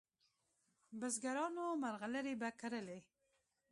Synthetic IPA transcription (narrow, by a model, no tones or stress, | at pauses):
bəzɡaɾɑnomaɾɣaləɾebakaɾəle